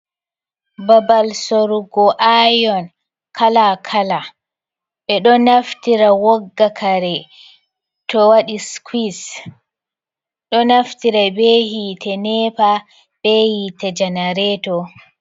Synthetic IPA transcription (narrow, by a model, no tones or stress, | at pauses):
babalsoɾuɡɔʔajɔn | kʰalakʰala | ɓɛɗɔnaftiɾawɔɡːakʰaɾɛ | tɔwaɗiskʰis | ɗɔnaftiɾabehitʰɛnɛpa | b̥ɛhitɛd͡ʒanaɾɛtɔ